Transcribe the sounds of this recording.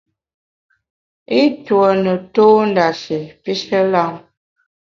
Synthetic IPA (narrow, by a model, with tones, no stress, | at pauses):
i˦twɔ˨nə˨toː˦n˦da˨ʃi˨pi˦ʃə˦la˦ŋ